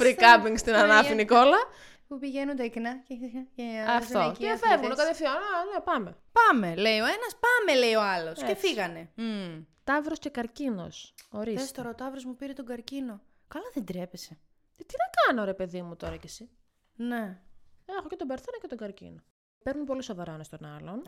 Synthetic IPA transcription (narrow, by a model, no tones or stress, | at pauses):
fɾikɐpiŋɡst̪inɐnɐfiniko̞lɐ | pupiʝenund̪eiknɐceceɐft̪oifevnokɐt̪efθioelepɐme̞pɐme̞le̞io̞e̞nɐspɐme̞le̞io̞ɐlo̞scefiɣɐne̞ | t̪ɐvɾo̞sce̞kɐɾcino̞̰so̞ɾiðesft̪oɾoːt̪ɐvɾo̞zmupiɾet̪oɡɐɾcino̞ | kɐlɐðend̪ɾepe̞se | t̪inɐkɐnoɾe̞pe̞ðimut̪o̞ɾɐcesi | neexocet̪obeɾθenɐcet̪oɡɐɾcḭno | peɾnunpo̞liso̞vɐɾɐonɐst̪onɐ̰lo̞n